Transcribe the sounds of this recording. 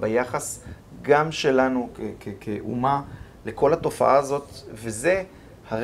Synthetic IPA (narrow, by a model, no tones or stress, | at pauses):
bajaχas | ɡamʃe̞lanukekʰekʰeʔṵma | le̞ko̞lhato̞fa̰ʔaːzo̞t̪veze̞ | haʁ